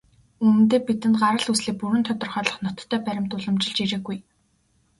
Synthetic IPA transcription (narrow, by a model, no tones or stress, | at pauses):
umɘ̆nt̪eːpit̪ɘ̆nɢaɾə̆ɮusɮiːk̚puɾɘ̆nt̪ʰɔt̪ɪ̆rχœːɮɞ̆χnɔt̪ʰːœːpæɾʲɪ̆mt̪ʊɮə̆mt͡ɕɪ̆ɮt͡ɕiɾĕːɣuj